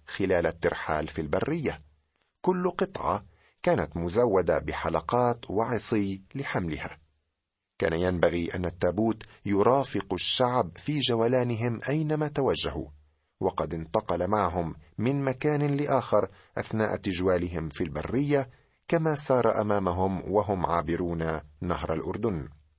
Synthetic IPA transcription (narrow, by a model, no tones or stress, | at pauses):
xɪlaːlat̪ːɪɾħa̰ːlfilbarːɪjːa | kʊlːqɨt̪ˤʕɑ̰ | kaːnat̪mʊzawːad̪abɪħalɑqɑːt̪wɑʕɨsˤiːlɪħamlɪ̰ha̰ː | ka̰ːnajanbaɣiːʔa̰nːat̪ːaːbuːt̪jʊɾˤɑːfɪqʃːaʕbfiːd͡ʒawalaːnɪɦɪmʔajnamaːt̪awaʒːahṵ | wɑqɑd̪ɪnt̪ɑqɑlamaʕaɦʊmːɪnmakaːnɪlɪʔaːxɪɾˤ | ʔaθnaːʔt̪ɪd͡ʒwaːlɪɦɪmfilba̰rːɪjːa | kamaːsɑːɾˤɑʔa̰maːmaɦʊmwaɦʊmʕaːbɪɾuːnanaɦɾˤa̰lʔʊɾd̪ʊn